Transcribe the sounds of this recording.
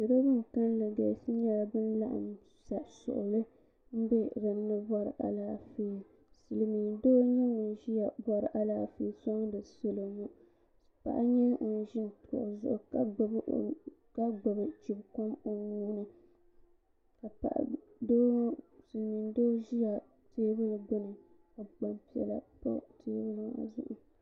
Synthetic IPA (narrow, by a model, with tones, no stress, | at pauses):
sɪ˨ɾɨ˦bɨ˦ŋ˨ka˦n˦lɨ˨ɡa˨sɨ˦ɲɛ˦la˨bɨ˦n˦la̰˦ʔm˨ | sa˨sʊ̰˨ʔʊ˨lɨ˦ | m̩˦bɛ˦ɾɨ˨m˦nɨ˦bɔ˦ɾɨ˨ʔa̰˨laː˦feː˨ | sɨ˨lmi˨ndoː˦ɲɛ˦ʊ˨n˨˦ʒi˦a˨bɔ˨ɾɨ˨ʔa˨laː˨feː˨sɔ˦ŋ˦dɨ˨so˦lo˨mu˦ | pa̰˨ʔa̰˦ɲɛ˦ŋu˨n˨ʒi˦n˨tkɔ̰˨ʔzʊ˦˨ʔʊ˨ka˦ɡ͡bɨ˨b̰ka˦ɡ͡ba˨bɨ˨t͡ʃi˨bko˦mo˦nuː˦nɨ˨ | ka˨pa̰˨ʔ | do˦sɨ˨lmi˨n˦doː˦ʒi˦ja˨ | teː˦bɨ˦lɨ˨ɡ͡bɨ˦nɨ˨ | ka˨ɡ͡ba˨mpi˨ɛ̰˨la̰˨pɔ̰˦tʰeː˦bɨ˦lɨ˨ŋa̰˨zʊ̰˦ʔʊ˨